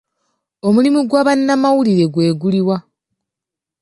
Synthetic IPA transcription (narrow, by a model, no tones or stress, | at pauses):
o̞mulimuɡwaβanːamawuliɾe̞ɡwe̞ːɡuliwa